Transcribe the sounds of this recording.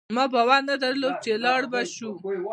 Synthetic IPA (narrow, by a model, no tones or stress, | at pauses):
mɑbawanad̪əɾlob̚t͡ʃelɑɽbaʃu